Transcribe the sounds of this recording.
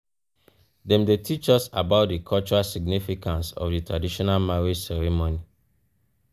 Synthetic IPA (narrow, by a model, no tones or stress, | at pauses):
dɛ̃mdetʰit͡ʃɔsabaʊt̚dikʰɔlt͡ʃuɹalsiɡnifikãnsɔ̰fditɹadiʃɔnalmaɹed͡ʒsɛɹɛmoni